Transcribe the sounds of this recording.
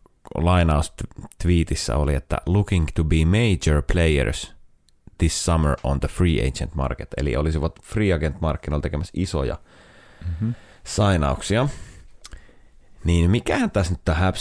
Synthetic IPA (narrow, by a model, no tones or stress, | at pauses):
lɑinɑust̪t̪ʋiːt̪isːæ̰oliet̪ːæ̰lukĩŋt̪ubiːmeid͡ʒəɹpʰlejə̰ɹs | ð̥isːɑməɹõ̰nðəfriːḛit͡ʃə̰nt̪mɑ̰rket̪ḛlḭʔolisiʋɑt̪friːɑɡent̪mɑrkːinolt̪ekemæsiso̰jɑ̰ | sɑinɑuksiɑ | niːnmikæhænt̪æsnyt̪ːohæp